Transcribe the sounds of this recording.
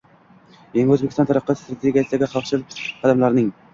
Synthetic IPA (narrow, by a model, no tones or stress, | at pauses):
jeŋɡʲɪøzbekʲisɑnt̪ʰɑɾəqʰːɑst̪ɾat̪ʰeɡʲijasɪd̪aɡʲɪχɑlˠχʃɨlɪpqʰɑd̪æmlˠaɾnɪŋ